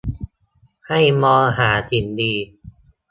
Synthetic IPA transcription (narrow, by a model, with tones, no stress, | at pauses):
ha˥˩jmɔː˧ɦaː˩˦t̪ʰi˩˦ndiː˧